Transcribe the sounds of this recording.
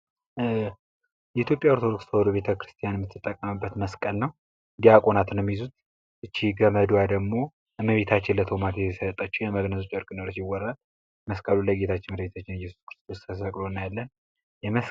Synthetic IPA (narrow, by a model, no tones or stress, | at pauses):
jɛit̪ʰjo̞pʼjaoɾt̪ʰo̞d̪okst̪ʰhod̪uβe̞t̪ʰəkɾɨ̥st̪ʰijanjɛmːɨt̪ʰːɨt̪ʼːəkʼːəmɨbːət̪məskʼəlnəw | ɨnd̪iakʼo̞nat̪nəwmjizut̪ | ʔɨt͡ʃːiɡəməd̪uwjad̪əɡmo̞ | məβe̞t̪ʰat͡ʃːɪnlət̪ʰo̞mat̪jɛsət̪ʼːət͡ʃːɛjɛməɡnəsut͡ʃʼəɾkʼɨnoɾət͡ʃjɪwːɔɾal | məskʼəluləɡe̞t̪ʰat͡ʃːɪnmləβet̪ʰat͡ʃːɪnjːɛsu̥skɨɾɨst̪ʰoskʰəsfəkʼlonːajalːən | jɛməs